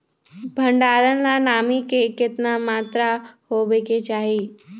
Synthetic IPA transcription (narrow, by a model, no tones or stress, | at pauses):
bʱə̃ɳɖaːɾənlanaːmikekɪt̪namaːt̪ɾahoʋeket͡ʃaːɦe